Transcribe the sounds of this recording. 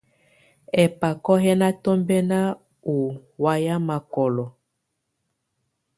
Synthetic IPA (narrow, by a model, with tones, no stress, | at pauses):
ɛ˨pa˨kɔ˦ɦɛ˦na˦tɔ˦mbɛ˦na˦ | u˨wa˦ja˦ma˨kɔ˨lɔ˨